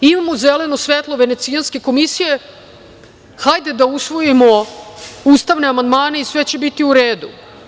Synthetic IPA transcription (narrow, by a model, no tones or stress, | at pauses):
imamo̞zele̞nosʋet̪lˠo̞ʋe̞net̪sijanske̞ko̞misije̞ | xajd̪ed̪ausʋo̞jimo̞ | uːst̪aʋne̞amand̪maːneisʋe̞t͡ɕe̞bit̪iuɾeːd̪u